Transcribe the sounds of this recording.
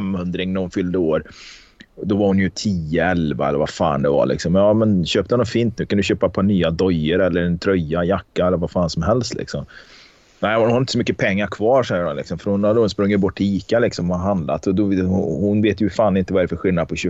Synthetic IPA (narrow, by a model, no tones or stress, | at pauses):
mːɵnd̪ɾɪŋnæɾhʊnfʏld̪əoːɾ | d̪ɔvaɾhʊnjɵt̪ʰiːəɛlva̰ɛ̰lːəɾva̰fa̰ːnd̪ɛva̰ɭɪ̰ksɔmjɑːmɛnɕøːp̚t̪əhanɔnfiːnt̪nʉ̟ːkʰand̪ɵɕøːpapʰanyːad̪ɔjːəɾɛlːəɾnt̪ʰɾœjːajakːaɛlːəɾvafaːnsɔmɦɛlst̪lɪ̰ksɔ̰m | næɪʊnhaɾɪt̪əsɔmʏkːəpʰɛŋːaɾkʰvɑːɾʂɛjəɖɔlɪ̰ksɔmfœɾhʊnad̪hʊnspɾɵŋːəbɔʈːiːkalɪksɔmvaaɦand̪la̰t̪ɔd̪ɔhʊnveːt̪jɵfaːnɪnt̪əvaæɾɛfəɾɧɪlnad̪̚pʰɔɕʉ